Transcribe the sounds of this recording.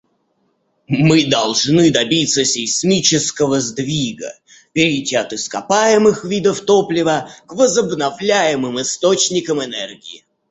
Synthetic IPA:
mɨd̪ɐlˠʐnɨd̪ɐbʲit̪sːəsʲɪjsʲmʲit͡ɕɪskəvəzd̪vʲiɡə̰ | pʲɪɾʲɪtʲiɐt̪ɨskɐpajɪmɨxvʲid̪əft̪oplʲɪvəkvəzəbnɐvlʲæjɪmɨmɨst̪ot͡ɕnʲɪkəmɪnɛrɡʲɪɪ

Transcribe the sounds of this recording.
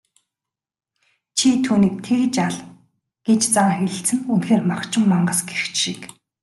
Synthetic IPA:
t͡ɕʰit̪ʰuːniːk̚t̪ʰeɣt͡ɕaɮ | ɡ̥et͡ɕt͡saŋxeɮʲɘ̆ɬt͡sɘ̆nunxeːrmaχt͡ɕɪ̆mːaɴɢə̆ːsɡeɾ̆xt͡ɕʃiːk

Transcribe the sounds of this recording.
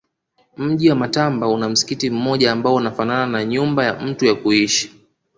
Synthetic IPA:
m̩ʄiwamatambaunam̩si̥kitim̩mɔʄaːmbaɔunafanananaɲumbajam̩tujakuiʃi̥

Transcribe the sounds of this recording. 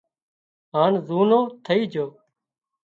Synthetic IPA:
ɦaːnzuːnõːt̪ʰəiːd͡ʒʱoː

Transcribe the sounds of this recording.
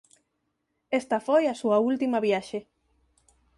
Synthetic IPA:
est̪ɐfojɐsuɐult̪imɐβjaʃe

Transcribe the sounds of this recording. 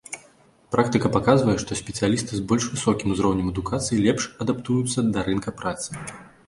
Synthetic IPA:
pɾʔakt̪ɨkɐpakazvɐjɛʂt̪ɔsʲpʲɛt̪sɨjalʲist̪ɨzbɔlʲʂvɨsɔkʲimuzɾɔwnʲɛmɐd̪ukat̪sɨjilʲɛpʂɐd̪apt̪ujut̪sːɐd̪ɐɾɨnkɐpɾat̪sɨ̥

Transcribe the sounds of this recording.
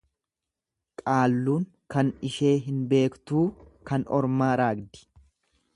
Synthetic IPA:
kʼaːlːuːŋ | kɐnɪʃe̞ːɦɪnbe̞ːkt̪uːkɐnɔɾmaːɾaːɡd̪ɪ̥

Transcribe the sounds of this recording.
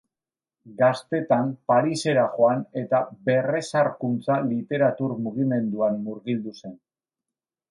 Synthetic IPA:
ɡast̪e̞t̪ampaɾise̞ɾaχo̞ane̞t̪abe̞re̞saɾkunt͡salit̪e̞ɾat̪uɾmuɣ̞ime̞nd̪uanmuɾɣild̪use̞n

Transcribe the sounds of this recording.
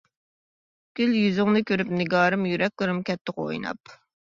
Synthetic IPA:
kʲyljyzɪŋnɨkʲʰøɾypnɪɡɑːɾɨmjyɾɛk̚ʲlˠɨɾɨmkʲʰɛt̪ʰːɪqo̰jnɑ̰p

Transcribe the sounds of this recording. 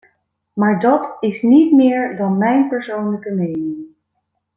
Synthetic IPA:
maːɹdɑtɪsnitmɪːɹdɑnmɛjnpɛɹsownləkəmejnɪŋ

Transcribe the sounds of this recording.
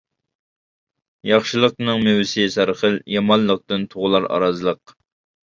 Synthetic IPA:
jɑχʃɨlˠəq̚nɨŋmewɪsɪsæɾχəljɑmɑnlˠəq̚t̪ɨnt̪ʰoʁʊlˠɑɾɑ̰ɾɑzɨlˠəq̚

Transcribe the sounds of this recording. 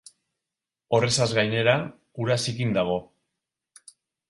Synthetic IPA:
o̞re̞sazɣajne̞ɾa | uɾasikind̪aɣ̞o̞

